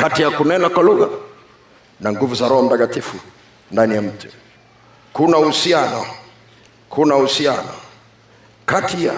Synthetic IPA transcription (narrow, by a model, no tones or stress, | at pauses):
katijakunɛnakwaluɣa | naŋɡuvuzaɾɔhɔm̩takatifu | ndanijam̩tu̥ | kunauhusianɔ | kʰunahusianɔ̰ | katʰija